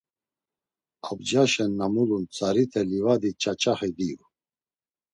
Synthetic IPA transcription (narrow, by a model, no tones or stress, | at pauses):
ab̚d͡ʒaʃɛnːamulunt͡sʰʼaɾit̪ʰɛlivad̪it͡ʃʰʼat͡ʃʰʼaχid̪iv